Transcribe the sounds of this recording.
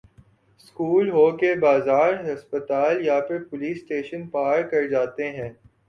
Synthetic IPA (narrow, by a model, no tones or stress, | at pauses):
skuːlɦoːkebaːzaːɾɦɐspət̪aːljapɪɾpʊliːsʈeːʃənpaːɾkɐɾd͡ʒaːt̪eɦɛ̃ː